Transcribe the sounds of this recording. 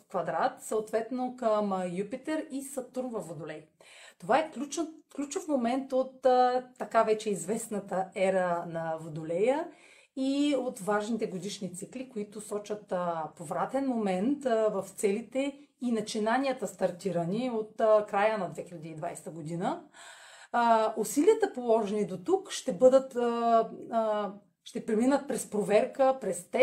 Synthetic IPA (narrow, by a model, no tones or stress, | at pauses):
kvɐd̪ɾat̪səot̪vɛt̪nokəmjupit̪ɛɾisɐt̪uɾmvɐvod̪olɛjt̪ovaɛklʲut͡ʃklʲut͡ʃofmomɛnt̪ot̪ːɐkavɛt͡ʃɛizvɛsnɐt̪əɛɾənɐvod̪olɛjə | iot̪vaʒnit̪ɛɡod̪iʃnit̪siklikoit̪ʊsɔt͡ʃət̪povɾat̪ɛnmomɛnt̪vɐft̪sɛlit̪ɛ | inɐt͡ʃinaniət̪əst̪ɐɾt̪iɾəniot̪kɾajənɐd̪vɛxilʲɐd̪iːd̪vajst̪əɡod̪inə | usiliət̪əpolˠɔʒɛnid̪ot̪ukʃt̪ɛbɤd̪ət̪ | ʃt̪ɛpɾɛminət̪̚pɾɛspɾovɛɾkəpɾɛst̪ɛ